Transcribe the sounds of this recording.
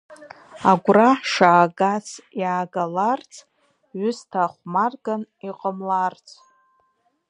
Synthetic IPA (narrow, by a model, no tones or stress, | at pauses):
aɡʷraħʂaːɡat͡sʰjaːɡalart͡sʰ | ɥʏstʰaχʷmarɡaniqʼəmlart͡sʰʼ